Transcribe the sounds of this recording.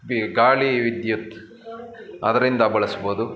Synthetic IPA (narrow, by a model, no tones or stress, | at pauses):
iɡaːɭiʋid̪jut̪ | ɐ̰d̪ɐɾind̪ɐbɐɭɐsboːd̪u